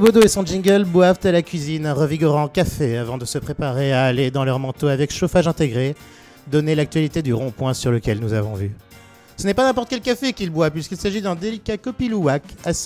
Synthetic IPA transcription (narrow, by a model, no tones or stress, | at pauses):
səbod̪oesɔ̃ʒĩŋɡəlbwavt̪alakʲɥizinɛ̃ʁəviɡɔʁɑ̃kafeavɑ̃d̪əsəpχepaʁeaːled̪ɑ̃lœʁmɑ̃t̪oavɛkʃofaʒɛ̃t̪eɡʁe | d̪ɔnelak̚t̪ɥalit̪ed̪yʁɔ̃pwɛ̃syʁləkʲɛlnuzavɔ̃vy | sənɛpanɛ̃pɔʁt̪ə̥kɛlkafekʲilbwaplɥiskʲilsaʒid̪ɛ̃d̪elikakɔpiluakasi̥